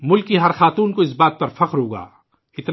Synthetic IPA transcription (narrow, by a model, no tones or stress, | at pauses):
mʊlkːiɦɐɾxaːt̪uːnkoɪsbaːt̪̚pɐɾfɐqɾɦoːɡa̰ː | ɪt̪n